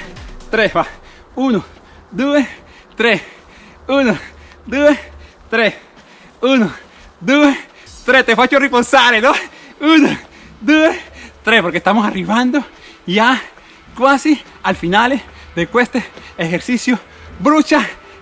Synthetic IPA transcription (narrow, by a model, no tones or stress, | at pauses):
t̪ɾesβa | uno | d̪ues | t̪ɾes | unod̪ues | t̪ɾes | uno | d̪ue | t̪ɾest̪efat͡ʃoriposaɾenouno | d̪uet̪ɾespoɾkest̪amosariβand̪o | ja | kwasi | alfinaleðekwest̪eexeɾsisjo | bɾut͡ʃa